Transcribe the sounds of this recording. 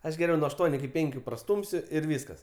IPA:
ˈɐʃ ɡʲɛˈrʲɛʊ nuɔ ɐʃˈtuɔnʲʊ ɪkʲɪ ˈpʲɛŋʲkʲʊ prɐˈstuːmʲsʲʊ ɪr ˈʋʲiːskɐs

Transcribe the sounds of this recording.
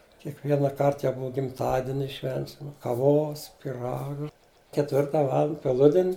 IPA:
kʲiɛkˈʋʲiɛnɐˈkɐrt jɛʊ ˈbʊɐ ɡʲɪmˈtɑːdʲiɛnʲɪ ˈʃʲʋʲɛnʲsʲɪm kɐˈʋoːs pʲɪˈrɑːɡɐ kʲɛtʲˈʋʲɪrtɐ ˈʋɑːlˠɐnt pʲɛˈlˠʊdʲɪnʲ

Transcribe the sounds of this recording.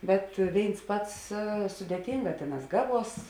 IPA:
ˈbʲɛt ˈʋʲeːɪns ˈpɐts sʊdʲeːˈtʲiːŋɡɑː ˈtʲeːˌnɑːs ˈɡɑːˌʋuɔs

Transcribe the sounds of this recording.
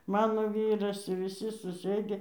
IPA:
ˈmɑːnoː ˈʋʲiːrɐs ɪ ʋʲɪˈsʲɪ sʊˈsɘdʲɪ

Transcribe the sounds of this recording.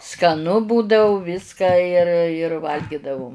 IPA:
skɐˈnʊ ˈbuːdɐʊ ˈʋʲɪskɐ jɪr jɪr ˈʋɐlʲɡʲɪdɐʋʊm

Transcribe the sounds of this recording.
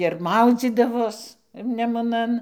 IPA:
ɪr ˈmɐʊd͡zʲiːdɐʋoːs nʲɛmʊˈnɐn

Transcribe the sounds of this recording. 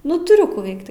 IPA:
ˈnʊ tʊˈrʲʊ ˈkuː ˈʋʲɛɪkt

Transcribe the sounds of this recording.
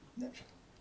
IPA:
ˈnʲæːʒʲɪnɐʊ

